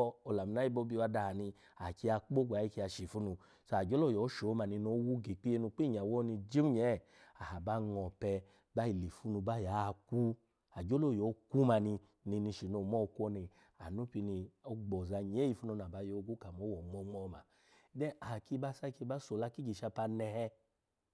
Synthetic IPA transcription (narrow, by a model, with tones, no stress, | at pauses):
o˨la˨mu˨na˨˦i˧˦bo˦bi˧a˧da˧ha˨nĩ˧ | a˨ki˧˦a˧˦k͡po˦ɡ͡ba˨ji˧ki˧a˧ʃi˨fu˦nũ˧ | sa˨d͡ʒo˦lo˦˨jɔ˨˦ʃo˨˦ma˧ni˧no˧˦wu˦ɡe˨k͡pi˦e˧nũ˧k͡pi˦ɲ˨a˨wɔ˦ni˧d͡ʒi˦mu˦ɲɛ˨˦˨ | a˨ha˨ba˦ŋɔ˨pɛ˧ | ba˦i˨le˨fu˦nu˧ba˦ja˨˦˧ku˦ | a˨d͡ʒo˦lo˦˨jɔ˨˦ku˦ma˧ni˧ | ni˧ni˧ʃi˨no˧˨mɔ˦˧ku˦ɔ˧˦ni˧ | a˨nu˦pi˧ni˧o˦ɡ͡bɔ˨za˧ɲ˨e˨˦i˧˨fu˦nu˧na˨ba˧˦jo˧˦˧ɡu˦ka˨mo˨˦wɔ˨ŋ͡mɔ˧ŋ͡mɔ˦˧ma˧˨˦ | dɛ˦a˨ki˧˦ba˦sa˦˧ki˧ba˦so˨la˧ki˦d͡ʒi˨ʃa˧pa˧nɛ˧hɛ˧